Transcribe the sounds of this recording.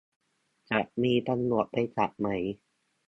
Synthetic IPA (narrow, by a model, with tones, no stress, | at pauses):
t͡ɕa˨˩ʔmiː˧t̪a˧nlu˨˩ət̪̚pa˧jt͡ɕa̰˨˩ʔ̚ma˩˦j